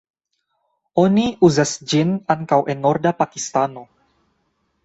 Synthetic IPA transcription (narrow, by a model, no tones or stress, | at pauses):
oniʔuzasd͡ʒinaŋkawʔenːoɾdapakist̪ano